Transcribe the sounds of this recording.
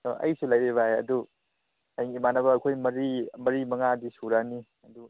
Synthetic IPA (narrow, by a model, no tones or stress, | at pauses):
tɔʔɐ̰jsulajɾeβaɦeɐ̰du | ajŋimanɐbɐːkʰojmɐɾimɐɾimɐŋadisuɾani | ɐdu